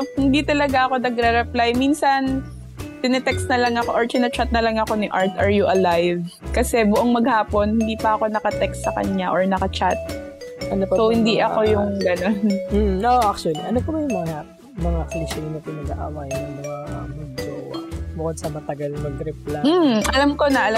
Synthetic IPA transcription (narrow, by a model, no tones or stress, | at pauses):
hɪnd̪it̪ɐlɐɡaʔɐko̞nɐɡɾɛɾɛplajminsɐn | t̪ɪnɛt̪ɛkst̪nɐlɐŋɐkoʔoɹt̪ɪnɛt͡ʃat̪̚nɐlɐŋɐko̞nɪʔaɹt̪ʔɐɹjuʔɐlajvkɐsɛbʊʔoŋmɐɡhaːpo̞nhɪnd̪iːpɐʔɐko̞nɐkɐt̪ɛkst̪sɐkɐ̰ɲaʔoɹnɐkɐt͡ʃat̪̚ʔɐnopsohɪnd̪iʔɐko̞jʊŋɡɐno̞n̩oʔak̚t͡ʃʊɐliʔɐnopɐmɐjʊŋmɐŋa | mɐŋakliʃɪnɐpɪnɐɡa̰ʔa̰wajnɐŋmɐŋamʊd͡ʒo̰bʊkod̪sɐmɐt̪ɐɡalnɐɡɾɛplam̩ːʔɐlamko̞nɐʔɐl